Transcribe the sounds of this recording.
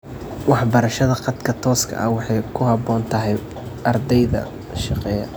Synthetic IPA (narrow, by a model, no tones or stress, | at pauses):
wɑħbɐɾɐʃɐðɐqɑd̪kʰɐt̪ʰɔːskʰɐ̰ʔɐwɑħɑjkʰʊɦɑbɔːnt̪ʰɐɦɛj | ʔɐrd̪ɛjðɐ̰ | ʃɑqɛːjɐ̰